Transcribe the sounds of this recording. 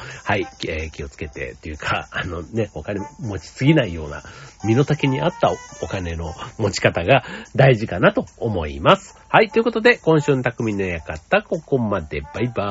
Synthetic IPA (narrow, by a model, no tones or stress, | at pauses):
haiekʲio̞t͡sɨ̥ke̞t̪e̞̰t̪ojɯ̟kʰaano̞ne̞o̞kanemo̞t͡ɕi̥sɨɡʲinaijo̞ːna̰mʲino̞t̪akeɲ̟iat̪ːaokane̞no̞mo̞t͡ɕi̥kat̪aɡad̪aiʑikanat̪o̞ːmo̞ḭmasɨ̥hait̪ːoiɯ̟ko̞t̪o̞d̪e̞kõ̞ɰ̃ɕɨːnot̪akɯ̟mʲĩɲːojakat̪ːako̞ko̞mad̪e̞baiba